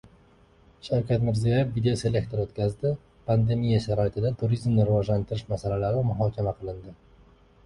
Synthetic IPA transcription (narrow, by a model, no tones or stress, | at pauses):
ʃawkʲat̪mɪɾzijajefvid̪ejose̞lʲe̞k̚t̪ʰo̞ɾot̪kʲazd̪ɪ | pʰand̪e̞mijaʃaɾɒɪt̪ʰɪd̪at̪ʰuɾizmnɪɾɪvɒd͡ʒlant̪ʰɪɾɪʃmasalalaɾɪmʊɦɒkʲʰamaqʰɨlˠɪnd̪ɪ